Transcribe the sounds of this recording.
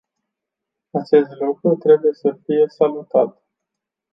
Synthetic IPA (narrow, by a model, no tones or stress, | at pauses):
at͡ʃe̞st̪lukɾut̪ɾe̞buje̞səfije̞salut̪at̪